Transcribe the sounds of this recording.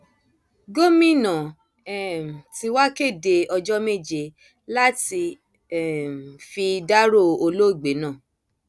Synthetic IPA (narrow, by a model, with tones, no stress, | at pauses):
ɡo˦mĩ˦˨nã˨ | ɛ˦˨m̩˨ti˧wa˦ke˦˨de˧ɔ˧d͡ʒɔ˦me˦˨d͡ʒe˧ | la˦ti˧ | ɛ˦˨m˨fi˧da˦ɾo˦˨o˧lo˦i˦˨ɡ͡be˨˦nãː˦˨